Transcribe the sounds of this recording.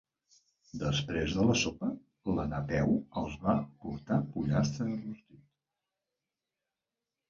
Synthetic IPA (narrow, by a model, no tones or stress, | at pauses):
d̪əspɾezðələsopə | lənət̪ɛwəlˠzβapuɾt̪apuʎast̪ɾəərust̪it̪